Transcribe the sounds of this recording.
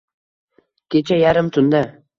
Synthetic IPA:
kʲʰet͡ʃajaɾɪmt̪ʰʊnd̪a

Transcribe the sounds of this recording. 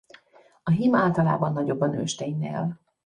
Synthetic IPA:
ɒɦimaːlt̪ɒla̰ːbɒnːɒɟo̞bːɒnø̰ːʃt̪eɲnḛːl

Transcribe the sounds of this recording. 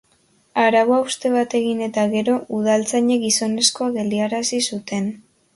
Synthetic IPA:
aɾaβoaust̪e̞β̞at̪e̞ɣine̞t̪aɣe̞ɾo̞ʔuð̞alt͡saɲeɡiso̞ne̞sko̞aɣe̞ld̪iaɾasisut̪e̞n

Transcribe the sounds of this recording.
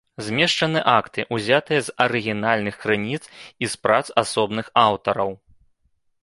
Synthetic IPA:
zʲmʲɛʂt͡ʂɐnɨʔakt̪ɨʔuzʲat̪ɨjɐzɐɾɨɣʲinalʲnɨxkɾɨnʲit̪sispɾat̪sasɔbnɨxawt̪ɐɾɐw

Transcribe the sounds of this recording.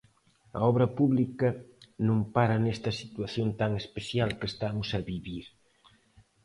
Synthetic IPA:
ɐ̰ɔβɾɐpuβlikɐnõŋpaɾɐnɛst̪ɐsit̪waθjõnt̪aŋespeθjalkest̪amʊsɐβiβiɾ

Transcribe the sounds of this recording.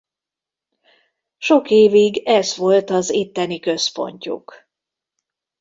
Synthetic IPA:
ʃo̞keːviɡɛzʋo̞lt̪ɒzit̪ːɛnikø̞spo̞̰ɲcṵk

